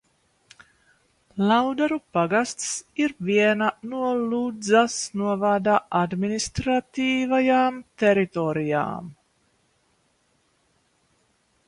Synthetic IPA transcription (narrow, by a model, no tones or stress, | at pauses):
lawd̪aɾupaɡast̪siɾviɛnanuɔlud̪zasnuɔvaːd̪aːʔad̪minist̪ɾat̪iːvajaːmt̪ɛɾit̪oɾija̰ːm